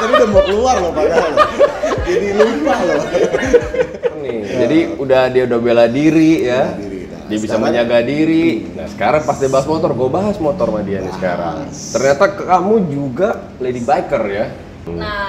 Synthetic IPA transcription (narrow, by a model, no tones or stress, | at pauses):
aiudahmakluarlapaka | d͡ʒadilukahlo | nɪhd͡ʒadiudahdiaudahbeladiɾija | diabisaməɲaɡadiɾinahsə̥kaɾaŋpast̪ibaɦasmot̪ɔrɡuabaɦasmot̪ɔrmadianisə̥ka̰ɾa̰ŋ | t̪ərɲat̪akəkamud͡ʒuɡa | ledibaikərja